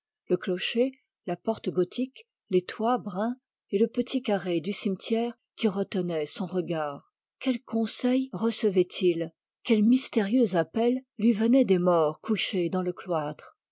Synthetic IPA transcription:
ləklɔʃe | lapɔʁt̪ɡɔt̪ʰik | let̪wabʁɛ̃ | eləpət̪ʰikaʁed̪ysimt̪ʰjɛʁ | kʲiʁət̪ənɛsɔ̃ʁəɡaːʁ | kʲɛlkɔ̃sɛjʁəsəvɛt̪ʰil | kʲɛlmist̪eʁjøzapɛlːɥivənɛd̪emɔʁkuʃed̪ɑ̃ləklwat̪χ

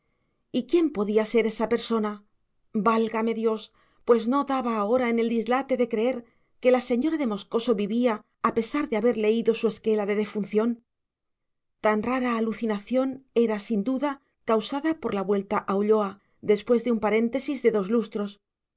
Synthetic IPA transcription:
ikje̞mpo̞ðiase̞ɾe̞sape̞ɾso̞na | balɣame̞ðjo̞s | pwe̞zno̞ðaβaːo̞ɾaene̞ld̪izlat̪e̞ðe̞kɾe̞e̞ɾ | ke̞lase̞ɲo̞ɾaðe̞mo̞sko̞so̞βiβiaː | pe̞saɾðe̞aβe̞ɾle̞iðo̞sue̞ske̞laðe̞ðe̞fun̟θjo̞n | t̪anraɾaːluθinaθjo̞ne̞ɾasind̪uða | kawsaðapo̞ɾlaβwe̞lt̪aʔawʎo̞a | ðe̞spwe̞zðeumpaɾe̞nt̪e̞sizðe̞ðo̞zlust̪ɾo̞s

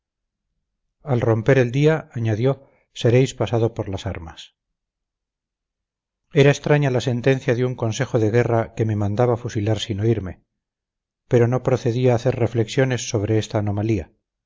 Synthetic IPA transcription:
alro̞mpe̞ɾe̞ld̪iaaɲaðjo̞ | se̞ɾe̞jspasað̞o̞poɾlasa̰ɾmas | e̞ɾaest̪ɾaɲalase̞nt̪e̞nθjaðeuŋko̞nse̞xo̞ðeɣ̞e̞rake̞me̞mãnd̪aβafusilaɾsinoiɾme̞ | pe̞ɾo̞no̞pɾo̞θe̞ðiaːθe̞ɾre̞fle̞ksjo̞ne̞sːo̞β̞ɾe̞est̪aːno̞malia

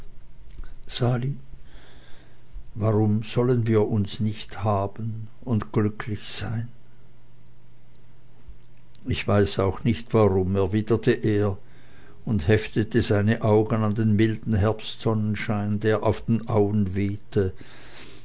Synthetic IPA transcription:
z̥aːli | vaʁʊmz̥ɔlənviːɐʔʊnsnɪçthaːbən | ʊntɡ̥lʏkʰlɪçz̥aɪn | ɪçv̥aɪsaʊxnɪçtv̥aʁʊmɛɐviːdɐtʰəʔeːɐ | ʊndhɛftətəzaɪnəʔaʊɡənandeːnmɪldn̩ɦɛɐpstz̥ɔnənʃaɪndeːɐʔaʊfd̥eːnʔaʊənveːtʰə

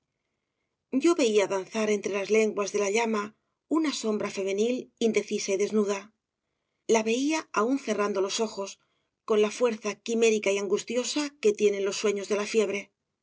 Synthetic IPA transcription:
ɟ͡ʝo̞βe̞iaðanθaɾe̞nt̪ɾe̞lazle̞ŋɡwazðe̞laʎama | unaso̞mbɾafe̞me̞nilind̪e̞θisaiðe̞znuða | laβe̞iaaunθe̞rand̪o̞lo̞so̞xo̞s | ko̞nlafwe̞ɾθakime̞ɾikaiaŋɡust̪jo̞sake̞t̪je̞ne̞nlo̞sːwe̞ɲo̞zðe̞lafje̞β̞ɾe̞

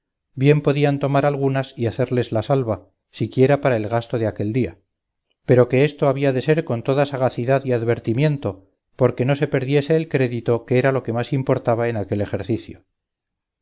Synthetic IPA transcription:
bje̞mpo̞ðiant̪o̞maɾalɣ̞unasiaθe̞ɾle̞zlasalβa | sikje̞ɾapaɾae̞lɣast̪o̞ðeake̞ld̪ia | pe̞ɾo̞ke̞est̪o̞aβiaðe̞se̞ɾko̞nt̪o̞ðasaɣ̞aθiðaðiaðβe̞ɾt̪imje̞nt̪o̞ | po̞ɾke̞no̞se̞pe̞ɾðje̞se̞ːlkɾe̞ðit̪o̞keeɾalo̞ke̞masimpo̞ɾt̪aβ̞aenake̞le̞xe̞ɾθiθjo

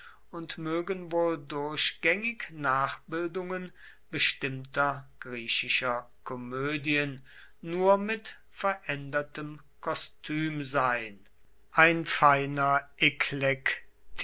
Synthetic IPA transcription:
ʊntmøːɡənvoːldʊɐɕɡ̥ɛŋɪknaːχb̥ɪldʊŋən | bəʃtɪmtʰɐɡ̥ʁiːɕɪʃɐkʰɔmøːdiənː | uːɐmɪt | fɛɐʔɛndɐtəm | kʰɔstʰyːmzaɪn | ʔaɪnfaɪnɐʔekʰlɛkt

